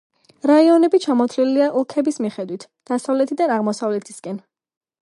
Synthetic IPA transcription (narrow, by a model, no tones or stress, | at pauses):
ɾaiɔnɛbit͡ʃʰamɔt̪ʰliliaʔlˠkʰɛbismiχɛd̪wit̪ʰ | d̪̥asavlɛt̪ʰid̪anaʁmɔsavlɛt̪ʰi̥skʼɛn